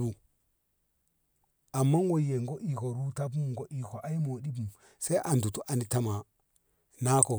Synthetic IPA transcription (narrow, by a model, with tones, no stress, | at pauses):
bu˨ | a˨mːa˦ŋwo˦je˨ŋɡo˦ʔi˨ko˨ɾu˦ta˦bu˦mɡo˨ʔi˨ko˨ʔa˦i˦mo˨ɗi˦bu˨m | se˦ʔa˨ndu˨tu˦ʔa˨ni˦ta˦ma˨ | na˦ko˨